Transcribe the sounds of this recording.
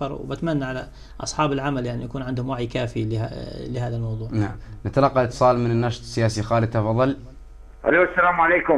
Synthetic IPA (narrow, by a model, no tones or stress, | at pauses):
ɑɾˤwbat̪manːaʕala̰ | ʔɑ̰sˤħɑːbɪlʕamaljaʕnijakuːnʕɪnd̪hʊmwaʕjkaːfila̰lɪhaːðalmɑwðˤuːʕnaʕamnat̪alɑqːɑlʔɪt̪ːɨ̥sˤɑːlmɪnɪnːɑʃt̪ˤsːɪjaːsixɑːɾit̪ɑfɑðˤːɑl | ʔa̰loːasːalaːmʕaleːkʊ